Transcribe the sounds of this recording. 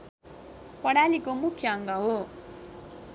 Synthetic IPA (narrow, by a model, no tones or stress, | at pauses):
pʌɽalikomukʰjʌʌŋɡʌɦo